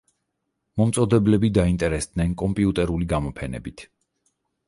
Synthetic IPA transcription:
mɔmt̪sʼɔd̪ɛblɛbid̪aint̪ʼɛɾɛsd̪nɛnkʼɔmpʼiut̪ʼɛɾuliɡamɔpʰɛnɛ̰bit̪ʰ

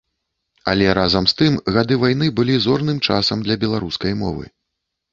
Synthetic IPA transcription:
a̰lʲɛɾazɐmst̪ɨmɣad̪ɨvajnɨbɨlʲizɔrnɨmt͡ʂa̰sɐmd̪lʲɐbʲɛlˠaɾuskɐjmɔ̰vɨ̰

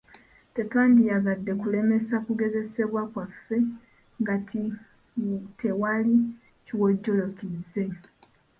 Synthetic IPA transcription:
te̞taːndijaɡadːe̞kule̞me̞sakuɡe̞ze̞se̞βwakwafːe̞ | ŋɡati | tʰe̞wali | ciwo̞ɟːo̞lo̞kize̞

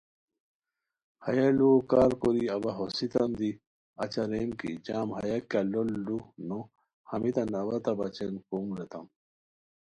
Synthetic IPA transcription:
hɐjɐlukaːɾkoɾiɐbɐɦosit̪ɐmd̪i | ɐt͡ɕɐɾemkḭd͡ʑaːmhɐ̰jɐkːɐlolːunu | hɐmit̪ɐnɐwɐt̪ɐbɐt͡ɕenkoːmlet̪ɐ̰m

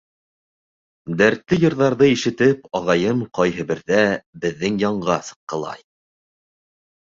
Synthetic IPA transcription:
d̪æɾt̪lɘjɤ̆ɾðɑɾðɤiʃɘ̆t̪ɘpɑʁɑjɤmqɑjɦɤ̆bɘ̆ɾðæbɘ̆ðːɘŋjɑɴɢɑsɤ̥̆qːɤ̆lˠɑ̰j

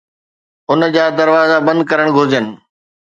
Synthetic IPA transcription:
ʊnd͡ʑaːd̪ɐɾʋaːzabɐ̃nd̪̚kɐɾəɽ̃ɡʱoːd͡ʑənɪ̆

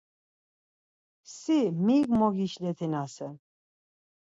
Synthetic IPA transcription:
simiɡmɔɡiʃlɛt̪ʰinasɛ

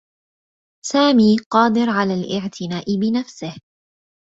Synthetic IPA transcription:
saːmiːqɑːd̪ɪɾʕalaːlʔɪʕt̪ʰɪnaːʔɪbɪnafsɪh

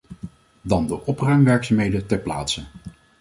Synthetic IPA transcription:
dɑndəʔɔprœɥmʋɛɹksamɦejdətɛɹpla̰ːtsə

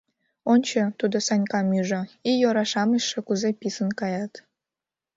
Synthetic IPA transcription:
onʲt͡ɕət̪ud̪osɑnʲkɑmyʒə̆ijoɾɑʃɑməʃːĕkuzepisənkɑjɑt̪

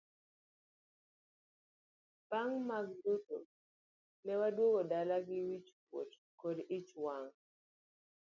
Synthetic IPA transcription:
paŋmaɡ̚duto | nɛwadwoɡodalaɡɪwit͡ʃkwo̰t | kodit͡ʃwaŋ

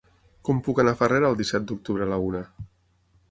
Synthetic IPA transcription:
kɔmpukanafareɾəːlˠd̪isɛt̪̚d̪uk̚t̪uβɾəlaunə

